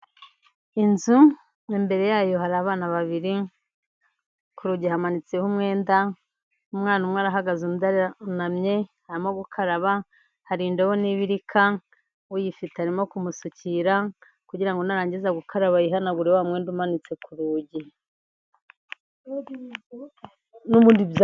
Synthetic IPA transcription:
inzu | embe̞ɾe̞jaːjo̞ɦaɾaːβaːnaβaβiɾi | kuɾuːɟihamanit͡se̞humŋe̞ːnda | umŋaːnumŋaːɾaɦaɡazumudaɾenamɲe̞haɾimo̞ɡukʰaɾaβa | haɾiːndowoniβiɾikʰa | wujifitehaɾimo̞kumusuciɾa | kuɟiɾaŋɡo̞naɾaːɲɟizaɡukʰaɾaβaiɦanaɡuɾewamŋe̞ːndumanit͡se̞kuɾuːɟi | nuβuːndib

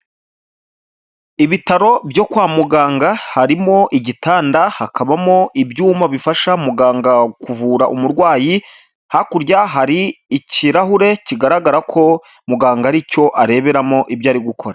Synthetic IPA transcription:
iβitaɾo̞bjo̞kwaːmuɡaːŋɡahaɾimo̞ʔiɟitaːndahakʰaβamo̞ʔibjuːmaβifaʃamuɡaːŋɡakuvuːɾaʔumuɾɡwaːji | hakuɾɟaɦaɾiːciɾaɦuɾe̞ciɡaɾaɡaɾakʰo̞ | muɡaːŋɡaɾico̞ʔaɾe̞ːβe̞ɾamo̞ʔibjaːɾiɡukʰoɾa

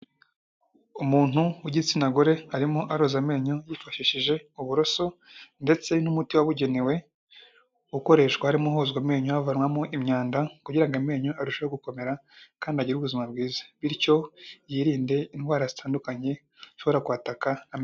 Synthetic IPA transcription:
umuːn̥huwuɟit͡sinaɡoɾe̞aɾimoʔaɾozame̞ːɲojiːfaʃiʃiʒe̞uβuɾo̞so̞nde̞t͡se̞numutiwaβuɟe̞newe̞ | ɡuko̞ɾe̞ʃɡwahaɾimoɦozɡwame̞ːɲoavaɾwamoʔimɲaːndakuɟiɾaŋɡame̞ːɲoaɾuʃejoɡuko̞me̞ɾakaːndiaɟiɾuβuzimabɡiːzḁβiɾco̞jiːɾiːnde̞inɡwaːɾazitaːndukaɲe̞ | ʃo̞βo̞ɾakuβaːtakaam

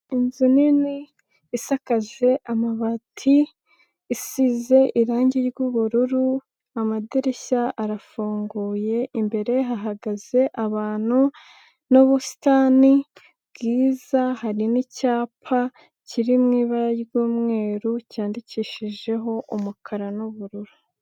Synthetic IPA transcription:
inzineniː | sakaze̞ʔamaβatʰiː | size̞ʔiɾaːɲɟiɾɡuβuɾuɾu | amadeɾeɕaʔːɾafuːŋɡuːje̞ʔimbe̞ɾe̞ɦaɦaɡaze̞ʔaβaːn̥hu | noβusi̥tani | bɡiːzahaɾinicaːpʰa | cʰiɾimŋiːβaɾaɡuːmŋe̞ːɾucaːndiciːʃiʒe̞ɦo̞ʔumukʰaɾanuβuɾuɾu

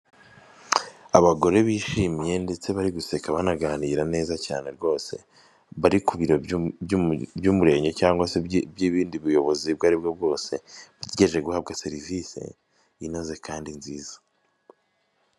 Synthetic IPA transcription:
aβaɡo̞ɾe̞βiːʃimje̞nde̞t͡se̞βaɾiɡuse̞kaβanaɡaːniːɾane̞ːzaca̰ːne̞ɾɡo̞ːse̞̰ | βaɾikuβiɾo̞ | bjumuɾe̞ːɲɟo̞caːŋɡwasebɟiːβiːndiβujo̞βo̞zib̚ɡaːɾibɡo̞b̚ɡo̞ːse̞̰βutɟe̞ʒe̞ɡuhabɡase̞ɾivise̞̰ | inoze̞kaːndinziːzḁ

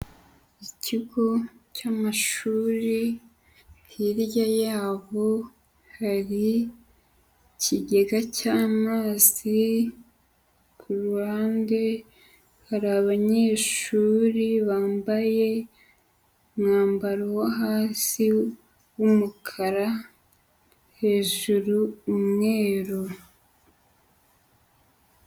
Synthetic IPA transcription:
icʰiɡo̞camaʃuːɾi | hiɾjajaːβo̞ | haɾi | cʰiɟe̞ɡacaːmaːzi | kʰuɾuwaːnde̞ | haɾaβaɲe̞ːʃuːɾiβaːmbaje̞ | mŋaːmbaɾowaɦaːsi | wumukʰaɾa | he̞ːʒuɾumŋe̞ːɾo

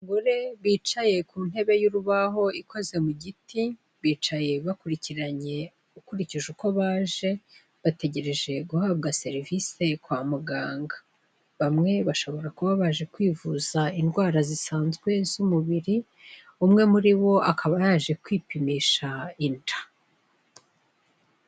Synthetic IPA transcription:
ɡoɾe̞βiːt͡ʃajekuːn̥he̞βe̞juɾuβaɦo̞ikʰo̞ze̞muɟiti | βiːt͡ʃaje̞βakuɾiciɾaɲe̞ | ukuɾiciʒuko̞βaːʒe̞ | βate̞ɟe̞ɾe̞ʒe̞ɡuhaːβɡase̞ɾivise̞kwaːmuɡaːŋɡa | βamŋe̞βaʃo̞βo̞ɾakuβaβaːʒe̞kwiːvuzainɡwaːɾazisaːnzɡwe̞zumuβiɾi | umŋe̞muɾiwo̞ʔakʰaβajaːʒe̞kwiːpimiːʃaindḁ

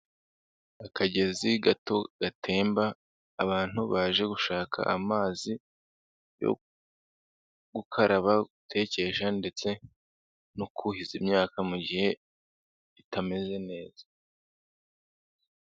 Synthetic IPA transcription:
akaɟe̞ziɡato̞ɡ̥atʰe̞ːmbaː | βaːn̥huβaːʒe̞ɡuʃaːkʰa̰a̰maːzi | jo̰ | ɡ̥ukʰaɾaβaɡutʰe̞ːce̞ʃande̞t͡se̞ | nokʰuhizimɲaːkamuɟihe̞ | itame̞ze̞ne̞ːzḁ

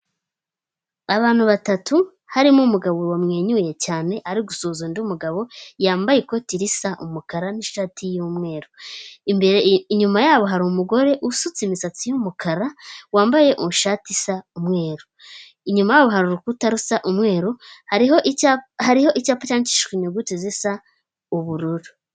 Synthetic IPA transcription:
aβaːn̥huβatatʰu | haɾimumuɡaβowamŋe̞ːɲuje̞caːne̞ʔaɾiɡusuzundiumuɡaβo̞jaːmbajeko̞tiɾisaʔumukaɾaniʃaːtʰijumŋe̞ːɾoimbe̞ɾeiɲumajaːβo̞ɦaɾumuɡo̞ɾe̞ʔusut͡simisat͡sijumukʰaɾawaːmbaje̞ʔuuʃaːtisaumŋe̞ːɾu | iɲumajaːβo̞ɦaɾuɾukutaɾusaʔumŋe̞ːɾuhaihoʔhaɾiho̞ʔit͡ʃaːpacaːnici̥ʃu̥kwiɲoɡutizisa | uβuɾuɾu

